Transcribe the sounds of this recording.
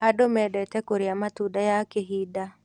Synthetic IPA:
adomɛdɛtɛkoɾeamatudajakeɦida

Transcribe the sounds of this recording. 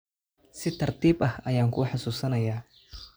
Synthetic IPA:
sɪt̪ʰɐrt̪ʰiːbʔɐhɐjaːŋkʰṵːħɑsuːsɐnɐjaː

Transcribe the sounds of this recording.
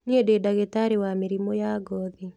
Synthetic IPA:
niededaɣetaɾewameɾimɔjaɡɔði

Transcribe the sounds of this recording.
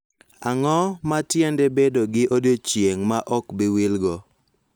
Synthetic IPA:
a̰ŋɔmatjendebedoɡɪʔodjot͡ʃjeŋmaʔɔkbɪwilɡɔ

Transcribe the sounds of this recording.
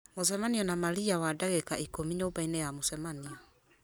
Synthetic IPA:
mos̬ɛmaniɔnamaliawadaɣɛkaʔikomiɲobainɛjamosɛmaniɔ

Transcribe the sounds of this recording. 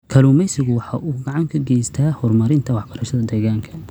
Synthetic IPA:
kʰɐluːmɛjsɪɣʊwɑħɑʔuːɡɑʕɑŋkʰɐɡɛjst̪ʰaːhɔrmɐɾɪnt̪ʰɐwɑħbɐɾɐʃɐðɐd̪ɛːɣaːŋkʰɐ̥

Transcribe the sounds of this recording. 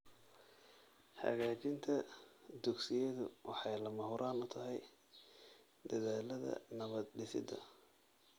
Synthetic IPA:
ħɐ̰ɣaːt͡ʃɪnt̪ʰɐd̪ʊɡsɪjɛðʊwɑħɑjlɐmɐhʊɾʔaːnʊt̪ʰɐɦɛj | d̪ɐðaːlɐðɐ̰nɐβɐd̪ɖɪsɪ̰d̪ɐ̰

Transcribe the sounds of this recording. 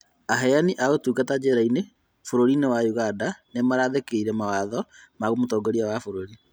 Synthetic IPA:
aɦɛjaniʔaɣotuːɡatad͡ʒeɾaine | foɾoɾinewajuɣadanemaɾaðekeiɾɛmawaðɔmaɣomotɔːɡɔɾiawafoɾoɾi

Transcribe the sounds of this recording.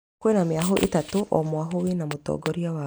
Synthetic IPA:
kwenameaɦoʔḛtatoʔɔmwaɦowenamotɔ̰ɡɔɾiawa

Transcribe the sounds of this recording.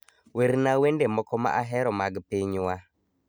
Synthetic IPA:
weɾnawendemɔkɔma̰ʔaɦɛɾɔmaɡpiɲwa

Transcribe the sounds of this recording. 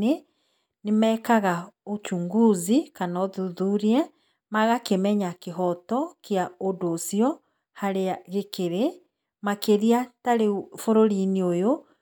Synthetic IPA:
e | nemɛkaɣaot͡ʃuŋɡuzikanɔðuðuɾiɛ | maɣakemɛɲakeɦɔtɔkeaodoːsjɔ | haɾeaɣekeɾe | makeðiataɾefoɾoɾineojo

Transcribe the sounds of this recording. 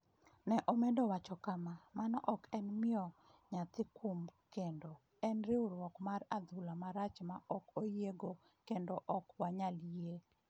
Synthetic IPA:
nɛʔomɛdɔwat͡ʃɔkamamanɔʔɔkɛnmɪɔ | ɲat̪ɪkʰumkendo | ɛnɾɪʊɾwɔkmaɾad̪ulamaɾat͡ʃmaʔɔkojeɡo | kendɔʔɔkwaɲalije

